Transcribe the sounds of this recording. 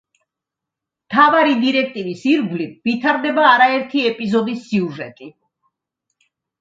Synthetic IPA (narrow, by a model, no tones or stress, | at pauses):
mt̪ʰavaɾid̪iɾɛk̚ʰt̪ʼivisiɾɡlivit̪ʰaɾd̪ɛbaːɾaɛɾt̪ʰiɛpʼizɔd̪isːiuʒɛt̪ʼi